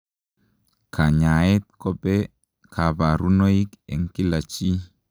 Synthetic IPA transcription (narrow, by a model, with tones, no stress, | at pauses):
kʰa˨ɲa˨e˦t̪̚kɔ˦pɛ˦ | kʰa˨ba˨ɾu˦no˦i˦kɛ̰˨ŋki˦la˨t͡ʃi˦